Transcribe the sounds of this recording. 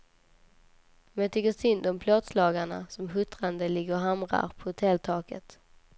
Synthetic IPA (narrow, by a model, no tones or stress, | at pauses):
ɔmjat̪ʰʏkːəsʏnd̪ɔmpʰloːd̪slɑːɡaɳa̰sɔmɦɵt̪ɾand̪əlɪɡəɔɦamɾa̰ɾpʰɔhʊt̪ʰɛlt̪ʰɑːkət̪